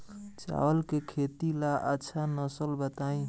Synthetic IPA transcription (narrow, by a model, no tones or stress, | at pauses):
t͡ʃa̰wəlkekʰet̪ilaʔətːʃʰanəsəlbət̪aĩ